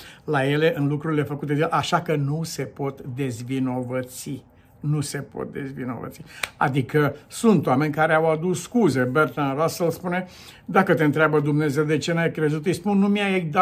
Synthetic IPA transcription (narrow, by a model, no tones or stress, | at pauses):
laje̞le̞ʔɨnlukɾuɾile̞fəkut̪e̞d̪elʔaʃakənuse̞po̞t̪d̪e̞zvino̞vət̪si | nuse̞po̰t̪̚d̪e̞̰zvḭno̞̰və̰t̪sia̰d̪ikəsunt̪owame̞nʲkaɾeawad̪ussːkuze̞bert̪anɾasəlspune̞ | d̪akət̪eɨnt̪ɾeabəd̪umne̞zewd̪e̞t͡ʃenajkɾe̞zut̪ɨjspunːumiajed̪a